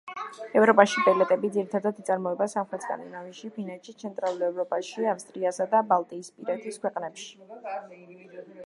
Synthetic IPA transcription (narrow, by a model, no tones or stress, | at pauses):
ɛvɾɔpʼaʃibʼɛlɛt̪ʼɛbid̪ziɾit̪ʰad̪ad̪it̪sʼaɾmɔɛbasamχɾɛt̪sk̪ʼa̰nḭnaviʃipʰinɛt͡ʃʰit̪sʰɛnt̪ʼɾalˠulɛvɾɔpʼaʃiafst̪ʼɾiasad̪abalˠt̪ʼiːspʼiɾɛt̪ʰiskʰwɛqʼnɛpʃi̥